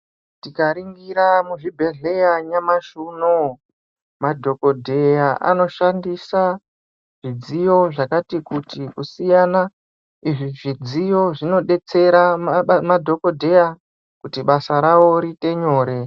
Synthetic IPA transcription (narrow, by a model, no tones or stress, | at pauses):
tikaɾiŋɡiɾamuʐibʱe̞ɮe̞jaɲamaʃuno | madʱo̞ko̞dʱe̞jaʔa̰no̞ʃandisa | ʐ̥id͡zijo̞ʐakatikutikusijana | iʐiʐid͡zijo̞ʐino̞ɗe̞t͡se̞ɾamadʱo̞ko̞dʱe̞ja | kutiɓasaɾawo̞ɾite̞ɲo̞ːɾe̞